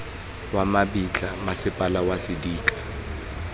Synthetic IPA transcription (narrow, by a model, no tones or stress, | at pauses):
wamabit͡ɬʼamasɪpʼalawasɪdiːkʼḁ